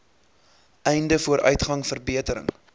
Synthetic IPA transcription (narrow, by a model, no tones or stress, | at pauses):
ʔɛjndəfuəɾʔœ̰ɥtχɐŋfərbiətəɾə̰ŋ